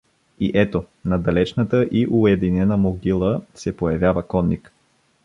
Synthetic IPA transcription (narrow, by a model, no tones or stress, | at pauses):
iʔɛt̪o | nɐd̪ɐlɛt͡ʃnət̪əʔiʔʊɛd̪inɛnəmoɡʲilˠəsɛpojɐvʲjavəkɔnːik